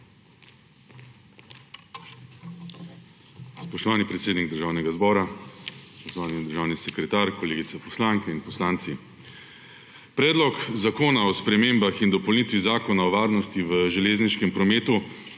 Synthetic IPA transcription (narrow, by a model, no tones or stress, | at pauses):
spɔʃt̪ɔʋaːnipɾɛt̪seːd̪niɡ̚d̪əɾʒaːwnɛɡazbɔːɾaspɔʃt̪ɔʋaːnid̪əɾʒaːwnisɛkɾɛt̪aːɾkɔleːɡit̪sɛpɔslaŋkɛinpɔslaːnt̪si | pɾɛːd̪lɔkzakoːnaɔspɾɛmeːmbaxind̪ɔpɔwlnit̪ʋizaːkɔnaɔʋaːɾnɔst̪iʋəʒɛleːzniʃkɛmpɾɔmeːt̪u